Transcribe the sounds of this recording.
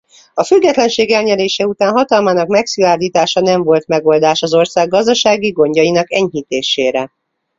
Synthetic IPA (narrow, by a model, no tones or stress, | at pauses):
ɒfyɡːɛt̪lɛnʃeːɡɛlɲɛɾeːʃɛut̪aːnɦɒt̪ɒlmaːnɒkmɛksyaːd̪iːt̪aːʃɒnɛɱvo̞lt̪mɛɡo̞ld̪aːʃɒzo̞rsaːɡːɒzd̪ɒʃaːɡiɡo̞ɲɟɒjinɒkɛɲɦit̪eːʃeːɾɛ